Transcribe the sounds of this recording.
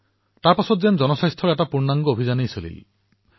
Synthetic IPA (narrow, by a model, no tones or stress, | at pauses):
taɾpasɔt̪zend͡ʒɔnɔsajst̪ʰɔɾɛʈapuɾnaŋɡɔobʱid͡ʒanejsolḭl̰